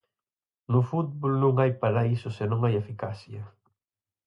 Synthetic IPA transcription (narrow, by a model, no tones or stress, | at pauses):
nufut̪̚bolnũŋajpaɾaisʊsenõŋajefikasjɐ